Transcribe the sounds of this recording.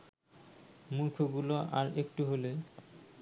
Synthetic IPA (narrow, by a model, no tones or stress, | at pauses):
muɾkʰoɡuloʔaɾekʈuɦole